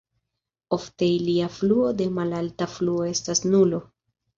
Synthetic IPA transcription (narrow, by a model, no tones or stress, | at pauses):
o̞fte̞iliafluo̞de̞malaltafluo̞e̞stasnulo̞